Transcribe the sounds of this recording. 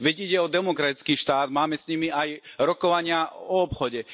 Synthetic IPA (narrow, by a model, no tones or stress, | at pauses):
ʋɛɟiɟɛɔd̪ɛmɔkɾat̪it͡skiːʃt̪aːd̪maːmɛsɲimiajɾɔkɔʋaɲɪaɔːpxɔɟɛ